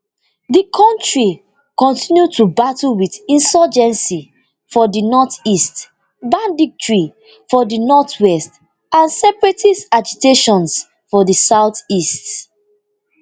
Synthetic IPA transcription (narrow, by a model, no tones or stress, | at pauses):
dikʰɔ̃ntɹi | kɔ̃ntĩnjutubatuwidĩnsɔd͡ʒɛ̃nsi | fɔdinɔtist | bãndik̚tɹi | fɔdinɔtwɛst | ãnsɛpɹɛtisad͡ʒiteʃɔ̃ns | fɔdisaʊtist